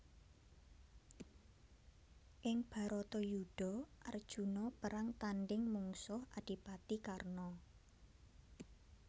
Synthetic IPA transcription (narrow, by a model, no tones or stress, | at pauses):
ʔɪŋb̥a̤ɾɔt̪ɔjuɖ̥ɔ̤ʔard̥ʒ̥ṳnɔpəɾaŋt̪anɖɪŋmuŋsʊhad̥i̤pat̪ikarnɔ